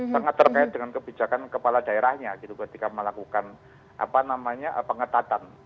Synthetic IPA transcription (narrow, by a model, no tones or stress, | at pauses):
saŋat̪ːərkaɪt̪̚dəŋankəbid͡ʒakankəpaladaeɾahɲaɡit̪ukət̪ikaməlakukan | ʔa̰panamaɲaʔpəŋət̪at̪an